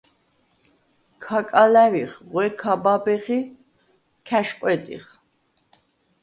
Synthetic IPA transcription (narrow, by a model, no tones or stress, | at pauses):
kʰakʼalæviχʁwɛkʰababɛχi | kʰæʃqʼwɛt̪ʼḭχ